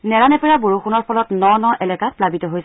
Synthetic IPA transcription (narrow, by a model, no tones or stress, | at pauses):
nɛɹanɛpɛɹaboɹuxunɔɹpʰɔlɔtnɔnɔʔɛlɛkaplabitɔɦojs